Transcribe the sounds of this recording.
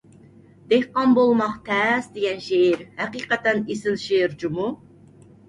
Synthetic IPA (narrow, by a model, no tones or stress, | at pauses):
d̪̥ehqɑnbolˠmɑχt̪ʰɛsd̪eɡʲɛnʃeiɾhæqiːqɛt̪ɛnisɪnʃeɾd͡ʒumu